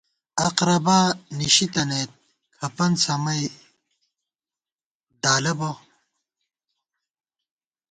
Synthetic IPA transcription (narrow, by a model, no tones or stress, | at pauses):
ɐqɾɐbaːniɕit̪ɐneːt̪̚ | kʰɐpɐnsɐmɐj | d̪aːlɐbo